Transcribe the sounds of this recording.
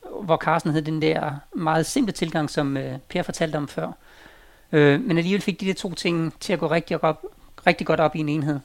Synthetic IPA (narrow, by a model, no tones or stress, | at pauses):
ʋɒkʰɑ̈ːsd̥n̩heðˠd̥end̥æɐ̰mɑ̈ːð̞̩ˠse̝m̰b̥lət͡sʰe̝lɡ̥ɑ̈ŋ̰sɒ̽møpʰe̝ːɐfɒ̽t͡sʰæl̰d̥əɒ̽mfɶɐ̰ | ømenæliːʋelfe̝ɡ̥̚d̥id̥æɐt͡sʰo̝̰ːt͡sʰe̝ŋ̰t͡sʰe̝læɡ̥ɔ̰ːʁeɡ̥̚d̥iɒ̥ɒb̥ʁeɡ̥̚d̥iɡ̥ɒ̽ɾ̥ɒ̽b̥ie̝ne̝ːnɦe̝ð̞̰ˠ